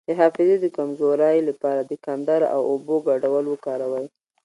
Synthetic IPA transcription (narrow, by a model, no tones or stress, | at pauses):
d̪əɦɑfɪzed̪əkamzoɾajlapɑɾad̪əkand̪aɾa̰woboɡaɖawəlwəkɑɾawaj